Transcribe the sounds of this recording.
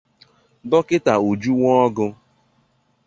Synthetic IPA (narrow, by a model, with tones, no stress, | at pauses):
dɔ˦kɪ˦ta˨u˨d͡ʒu˦ŋɔ˦ɡʊ˧